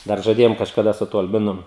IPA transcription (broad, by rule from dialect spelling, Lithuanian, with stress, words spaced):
ˈdɐr ʒɐˈdʲeːjoːm kɐʃkɐˈdɐ sʊ tuɔ ɐlʲˈbʲɪnʊ